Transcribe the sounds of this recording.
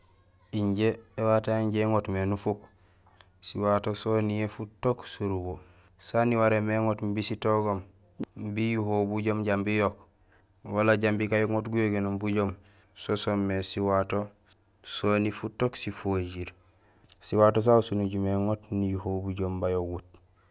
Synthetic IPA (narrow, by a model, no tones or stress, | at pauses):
iɲɟeːwataiɲɟeŋotmenufuk | siwatosonijefutoksuɾubo | saniwaɾemeŋotmbisitoɡom | bijuɦobuɟoːmɟambijok | walaɟambikajoŋotɡujoɡenombuɟoːm | sosomːesiwato | sonifutoksifoɟiɾ | siwaːtos̬ausunuɟumeŋotnijuhobuɟoːmbajoɡut̚